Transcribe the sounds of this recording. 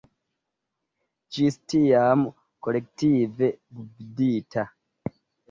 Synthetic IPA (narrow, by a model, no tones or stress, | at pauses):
d͡ʒistijamu | kolek̚tivebubiditʰa